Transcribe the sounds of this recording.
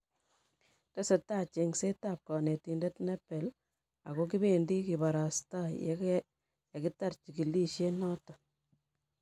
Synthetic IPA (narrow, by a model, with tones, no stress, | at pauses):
te˦se˨ta˦˨t͡ʃe˨ŋse˦ta˨p̚kɔ˨ne˨ti˨nde˦tnɛ˦pe˨l | a˨ko˦k̬i˦be˨ndi˦ki˨ba˨ɾa˨sta̰˦ | ja˨ki˦ta˦rt͡ʃi˨ki˨li˦ʃe˦nɔ˦tɔ˨